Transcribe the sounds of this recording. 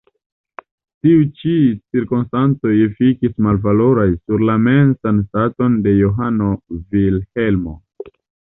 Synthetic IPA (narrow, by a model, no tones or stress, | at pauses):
tiut͡ʃit͡siɾkonstant͡so̞jefikismalvalo̞ɾajsuɾlame̞nsanstato̞nde̞joɦano̞vilhe̞lmo̞̰